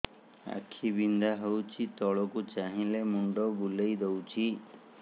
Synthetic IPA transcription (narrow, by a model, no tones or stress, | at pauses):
a̰kʰibind̪aɦəwt͡ʃʰit̪ɔɭɔkut͡ʃaɦĩlemuɳɖɔbulejd̪ewt͡ʃʰi